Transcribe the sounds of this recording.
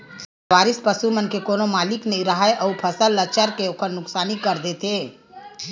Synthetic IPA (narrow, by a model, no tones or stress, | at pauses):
s | ʋaːɾispəsumənkekoːnomaːliknəɦĩɾəɦəeʔəupʰəsəlːət͡ʃəɾkeoːkʰənnʊksaːnikəɾd̪et̪ɦe